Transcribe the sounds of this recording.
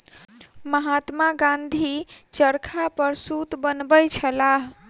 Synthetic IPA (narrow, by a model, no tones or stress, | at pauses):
məɦat̪maɡãnd̪ʱit͡ʃəɾkʰapəɾsut̪bənbəjt͡ʃʰəlaɦ